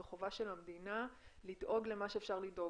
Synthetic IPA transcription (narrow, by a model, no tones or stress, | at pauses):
eχovaʃe̞lhamdinalidʔo̞ɡle̞maʃe̞ːfʃaʁlido̞